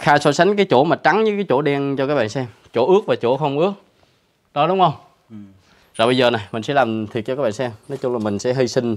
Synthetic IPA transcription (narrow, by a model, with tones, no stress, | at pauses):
xaː˧jsɔ˧˦sa˨˦jŋ̟k̬aː˨˦jt͡ɕo̰˧˩maː˨˩t͡ɕa˨˦ŋɲɨ˨˦kaː˨˦jt͡ɕo̰˧˩ɗɛ˧nt͡ɕɔ˧kaː˦˥k̚ɓa̰ː˧˨nsɛ˧mt͡ɕo˧˩ʔɨ˦˥ək̚vaː˨˩t͡ɕo˧˥xə˧wŋ͡mʔɨ˦˥ək̚ | ɗɔ˨˦ɗʊ˨˦wŋ͡mhə˧wŋ͡m | zɔ˨˩ɓə˧jzəː˨˩na˨˩jmï˨˩ŋ̟sɛ̰˧˥laː˨˩mt̪ʰi˨˩ək̚t͡ɕɔ˧kːaː˦˥ɓa̰ː˧˨˩sɛ˧mnɔ˨˦t͡ɕʊ˧ŋ͡mlaː˨˩mï˨˩ŋ̟sɛ̰˧˥ɦi˧jsï˧ŋ̟